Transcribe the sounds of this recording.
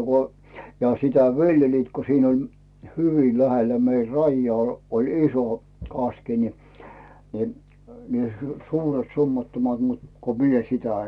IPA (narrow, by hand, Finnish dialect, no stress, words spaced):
ko jɑ sitæ ʋi̞ljeliːt ko siːn olʲ hyʋi læhelːæ mei rɑijːŏɑː olʲ iso kɑski ni ni ni suːret sumːɑtːomɑt mut ko mie sitæ